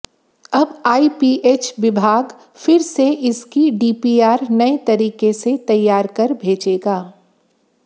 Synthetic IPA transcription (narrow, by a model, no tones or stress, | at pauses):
ɐbaːipiːʔeːt͡ʃʋɪbʱaːɡ | fɪɾseʔɪskiɖiːpiːaːɾnɐet̪ɐɾiːkeset̪ɐjːaːɾkɐɾbʱeːd͡ʒeːɡaː